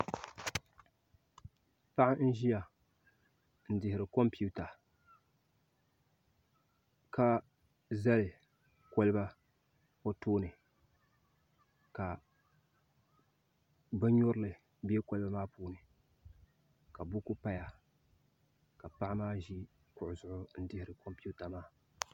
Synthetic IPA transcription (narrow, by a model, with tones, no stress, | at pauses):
pa˦ʔa˦n̩˦ʒi˦ja˨ | n̩˨dɪ˨hɪ˨ɾɨ˨kɔ˦mpi˦u˦ta˨ | ka˦ | za˦lɪ˨ | kɔ˦lɨ˦ba˦ | o˦toː˦nɨ˨ | ka˨ | ba˦ɲɔ˦ɾɨ˦lɨ˨ | bi˦e˦ko˦lba˦maː˦puː˦nɨ˨ | ka˨bʊ˦kʊ˦pa˦ja˨ | ka˨pa˦ʔa˦maː˦ʒi˦ | kʊ˨ʔʊ˨zʊ˨ʔʊ˦n̩˦dɪ˦hɪ˨ɾɨ˨ko˦mpi˦u˦ta˨maː˦